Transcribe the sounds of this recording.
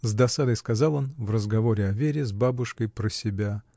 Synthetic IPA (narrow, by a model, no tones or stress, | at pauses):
zd̪ɐsad̪əjskɐzɑlˠo̞nvrəzɡɐvo̞ɾʲɪɐvʲeɾʲɪzbabʊʂkəjpɾəsʲɪbʲa